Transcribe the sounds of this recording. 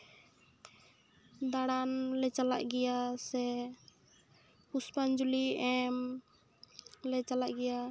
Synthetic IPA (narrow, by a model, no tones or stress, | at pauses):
d̪aɽanlɛt͡ʃala̰ʔɡɛjasɛ | huspand͡ʒuliɛm | lɛt͡ʃalaʔɡɛja